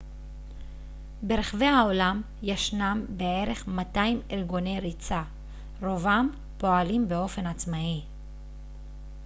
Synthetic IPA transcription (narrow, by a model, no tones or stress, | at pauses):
beɾeχave̞jhao̞lam | jaʃnambee̞ʁe̞χmataimelɡo̞ne̞jʁit͡sa | ʁo̞vam | po̞alimbe̞o̞fe̞nat͡smai